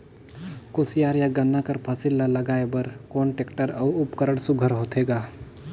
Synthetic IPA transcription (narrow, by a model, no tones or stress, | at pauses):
koːsijaːɾjaɡənːakəɾpʰəsɪlːaləɡaːebəɾkoːnʈekʈəɾɐːʊpkəɾəɽ̃sʊɡʱəɾɦoːt̪ʰeːɡaː